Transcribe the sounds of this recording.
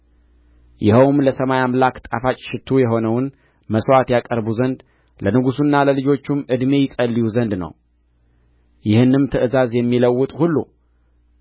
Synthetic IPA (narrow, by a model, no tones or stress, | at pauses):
jɪhəwmləsəmajamlakt̪ʼafat͡ʃʼʃɪt̪ʰːujɛɦo̞nəwn | məswat̪jakʼəɾbuzənd̪ | lənɨɡusunːaləlɨd͡ʒo̞t͡ʃːumɨd̪me̞jɪsʼəlːijuzənd̪nə̰w | jɪhɨnːɨmt̪ʰəʔɨzazjɛmːiləwːʊt̪ʼhulːṵ